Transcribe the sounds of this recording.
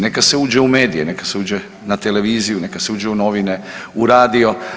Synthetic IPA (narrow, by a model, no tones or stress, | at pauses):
ne̞kase̞uːd͡ʒeume̞ːd̪ijene̞kaseuːd͡ʒe | nat̪ele̞ʋiːzijune̞kaseuːd͡ʒeuno̞ʋine | uɾaːd̪io̞